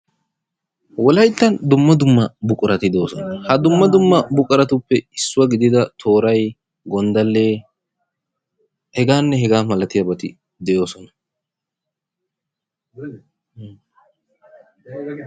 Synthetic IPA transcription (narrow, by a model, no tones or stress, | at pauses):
wɔlɐjt̪ːɐnd̪ʊmːɐd̪ʊmːɐbʊkʼʊɾɐt̪ɪd̪o̞ːsɔnɐhɐd̪ʊmːɐd̪ʊmːɐbʊkʼʊɾɐt̪ʊpːɛɪsːʊwɐɡɪd̪ɪd̪ɐt̪ʰo̞ːɾɐj | ɡɔnd̪ɐlːeː | hɛɡaːnːɛɦɛɡaːmɐlɐt̪ɪjɐbɐt̪ɪ | d̪ɛjo̞ːsɔnɐ̥